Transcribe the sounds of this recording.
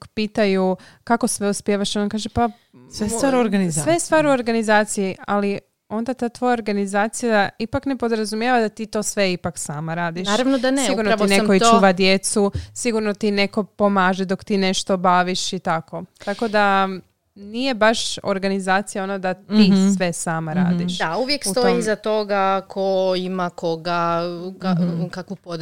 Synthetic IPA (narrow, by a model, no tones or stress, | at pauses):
piːt̪aju | kako̞sʋe̞uspjeːʋaʃonokaːʒepa | sʋest̪aːɾoɾɡanizsʋest̪ʋaːɾuoɾɡanizaːt̪sijiali | o̞nd̪at̪aːt̪ʋo̞jaoɾɡanizaːt̪sijad̪aipakne̞po̞d̪ɾazumjeʋad̪at̪iːt̪o̞ːsʋe̞ipaksa̰ːmaɾaːd̪iʃaɾaʋnod̪ansiɡɡuɾnot̪inekoit͡ʃːuːʋad̪je̞t̪susiɡuɾnot̪ine̞ko̞po̞maːʒed̪o̞kt̪iːne̞ʃt̪o̞baʋiʃit̪ako̞t̪ako̞d̪a | nije̞baʃo̞̰ɾɡanizaːt̪sijaonod̪at̪isʋe̞saːmaɾa̰ːd̪iʃd̪auʋjekst̪ojiizat̪oɡakʰoimako̞ɡakakakupod̪